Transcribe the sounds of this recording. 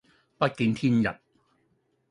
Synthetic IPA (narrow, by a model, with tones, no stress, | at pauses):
pɐ˦˥t̚kiː˧nt̪ʰiː˥njɐ̰˨˩t̚